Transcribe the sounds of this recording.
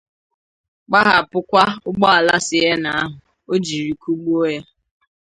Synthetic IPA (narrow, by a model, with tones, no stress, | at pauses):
k͡pa˦ɦa˨pʊ˦kʷa˦ʊ˦ɡ͡bɔ˦a˨la˦sɪ˨e˦na˨a˦ɦʊ˨ | o˦d͡ʒi˨ɾi˨ku˦ɡ͡bu˦o˦je˦